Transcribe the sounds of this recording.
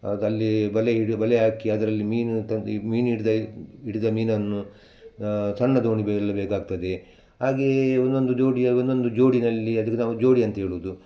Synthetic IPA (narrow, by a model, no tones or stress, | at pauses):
ɐlːibɐleiɽibɐleɦaːkiɐd̪ɐɾɐlːimiːnut̪ɐmiːniɽid̪ɐiɽid̪ɐmiːnɐnːu | sɐnːɐd̪oːɳiblːɐbeːkaːɡ̚t̪ɐd̪e̞ | ɦaːɡeond̪o̞nd̪ud͡ʒo̞ːɽiɐond̪o̞nd̪ud͡ʒo̞ːɽinɐlːiɐd̪ɐkːenaːʋud͡ʒo̞ːɽiɐnt̪ɐɦe̞ːɭuːd̪u